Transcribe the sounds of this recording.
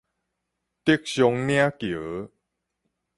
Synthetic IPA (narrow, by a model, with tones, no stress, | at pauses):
t̪i˦ək̚ɕjo˧ŋnj̃a˦kjə˨˦